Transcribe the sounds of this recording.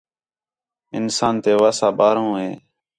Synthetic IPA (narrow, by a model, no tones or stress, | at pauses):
ɪnsaːnt̪eːʋaːsaːɓaːɾõːɦeː